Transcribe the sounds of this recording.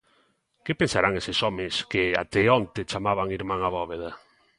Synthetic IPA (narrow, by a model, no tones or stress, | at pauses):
kepensaɾaŋesesɔmɪskea̰t̪eont̪et͡ʃamaβaŋiɾmaŋaβɔβeð̞a